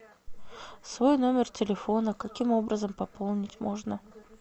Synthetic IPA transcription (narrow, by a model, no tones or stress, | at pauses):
svo̞jno̞mʲɪrtʲɪlʲɪfo̞nəkɐkʲimo̞bɾəzəmpɐpolˠnʲɪtʲmo̞ʐnə